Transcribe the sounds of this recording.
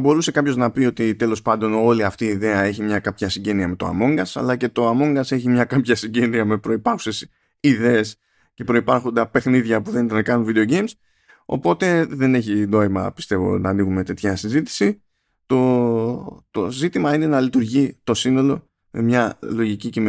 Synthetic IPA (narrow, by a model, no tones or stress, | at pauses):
bo̞ɾuse̞kɐpço̞znɐpio̞t̪it̪e̞lo̞spɐnd̪o̞no̞liɐft̪iːðe̞ɐe̞çimɲɐkɐpçɐsiɲɟe̞niɐme̞t̪oa̰mo̞ŋɡɐsɐ̰lɐce̞t̪o̞ɐmo̞ŋɡɐse̞çimɲɐkɐpçɐsiɲɟe̞niɐme̞pɾo̞ipɐxu̥se̞s | iðe̞ːs | ce̞pɾo̞ipɐɾxond̪ɐpe̞xniðʝɐpuðe̞nit̪ɐnɐkɐnunvid̪e̞o̞ɟe̞jms | o̞̰po̞t̪e̞ðe̞ne̞çino̞imɐ̰pi̥st̪e̞vo̞̰nɐːniɣume̞t̪e̞t̪çɐsizit̪i̥si | t̪o̞ | t̪o̞zit̪imɐine̞nɐlit̪uɾʝit̪o̞sino̞lo̞ | me̞mɲɐlo̞ʝicicem